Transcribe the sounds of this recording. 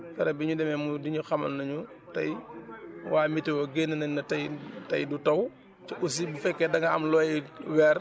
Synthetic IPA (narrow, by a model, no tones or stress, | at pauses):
fɛɾɐbiɲudɛmɛmudiɲuxɐmɐ̰lnɐɲutɐ̰j | waːmitːiwɔɡenːɐnɐnɐtɐjtɐ̰jdutɐw | t͡ʃiʔus̬ibifɛkːɛdɐŋɐɐmlɔːjiwɛːr